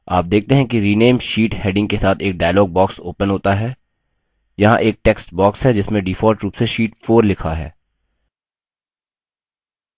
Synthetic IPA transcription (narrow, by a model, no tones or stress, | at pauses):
a̰ːp̚d̪eːk̚ʰt̪eɦɛ̃kiɾiːneːmʃiːʈheːɖɪ̃ŋɡ̚kesaːt̪ʰeːk̚ɖaːɪlɔːɡ̚bɔːksoːpənɦoːt̪aɦɛː | jɐɦãʔeːk̚ʈɛːksʈbɔːksɦɛd͡ʒɪsmẽɖiːfɔːɾʈɾuːpseʃiːʈfoːɾlɪkʰaɦɛ̰ː